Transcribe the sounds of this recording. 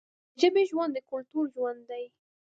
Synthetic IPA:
ʒəbeʒwand̪əkʊlt̪uɾʒwand̪d̪aj

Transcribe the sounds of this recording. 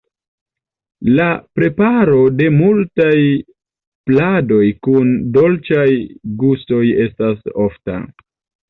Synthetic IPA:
lapɾe̞paɾo̞de̞multaj | plado̞jkundo̞lt͡ʃajɡuso̞je̞staso̞fta̰

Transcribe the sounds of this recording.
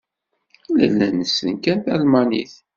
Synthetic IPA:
læ̰lːænəsənkænθælmɑnḭθ

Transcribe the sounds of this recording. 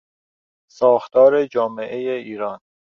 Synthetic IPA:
sɒːxt̪ɒːɾe̞d͡ʒɒːme̞ʔejeiːɾɒːn

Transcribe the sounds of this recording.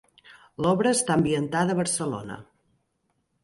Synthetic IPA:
lɔβɾəːst̪ambiənt̪aðəβəɾsəlo̰nə̰

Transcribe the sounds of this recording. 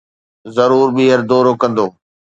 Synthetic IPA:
zɐɾuːɾɓiːɦəɾd̪oːɾokɐ̃nd̪oː

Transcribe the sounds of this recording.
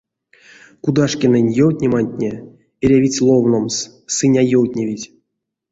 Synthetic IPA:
kud̪aʂkʲenɛnʲjowtʲnʲemanʲt̪ʲnʲe | eɾʲavʲit͡sʲlˠovnoms | sɨnʲajowt̪ʲnʲevʲitʲ

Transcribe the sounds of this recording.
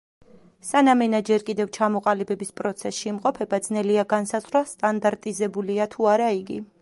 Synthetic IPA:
sanamɛnad͡ʒɛɾkʼid̪ɛvt͡ʃʰamɔqʼalibɛbispʼɾɔt̪sʰɛsʃiːmqʼɔpʰɛbad̪znɛliaɡansazʁwast̪ʼand̪aɾt̪ʼizɛbuliat̪ʰuaɾaiɡi

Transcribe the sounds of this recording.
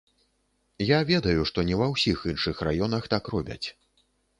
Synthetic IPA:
javʲɛd̪ɐjuʂt̪ɔnʲɛvɐwsʲixɨnʂɨxrajɔnɐxt̪akrɔbʲɐ̰t͡sʲ

